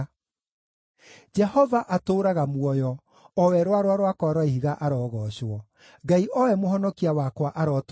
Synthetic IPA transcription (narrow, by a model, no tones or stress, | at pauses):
d͡ʒɛhɔvaʔatoːɾaɣamwɔjɔ | ɔwɛɾwaɾwaɾwakwaɾwaiɦiɣaʔaɾɔɣɔɕwɔ | ɡaiʔɔɛmoɦɔnɔkiawakwaʔaɾɔt